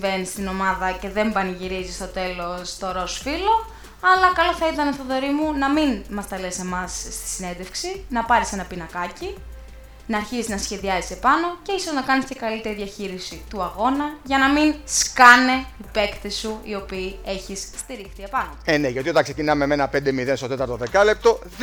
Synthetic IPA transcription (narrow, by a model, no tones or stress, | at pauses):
ve̞nist̪ino̞mɐðɐce̞ðe̞mbɐniʝiɾizist̪o̞t̪e̞lo̞st̪o̞ɾo̞sfilo̞ | ɐlɐkɐlo̞θɐit̪ɐneθoðo̞ɾimunɐminmɐst̪ɐle̞se̞mɐsst̪i̥sine̞nd̪e̞fksinɐpɐɾise̞nɐpinɐkɐci | nɐːɾçiziznɐsçe̞ðiɐzise̞pɐno̞ce̞iso̞znɐkɐnist̪cɐkɐlit̪e̞ɾiðɐçiɾisit̪uɐɣo̞nɐʝɐnɐminskɐne̞ipe̞kt̪isuio̞piːe̞çisst̪iɾixθie̞pɐnoeneʝot̪iot̪ɐŋkse̞cinɐmemenɐpend̪emiðenst̪o̞t̪e̞t̪ɐɾt̪oðe̞kɐle̞p̚t̪o̞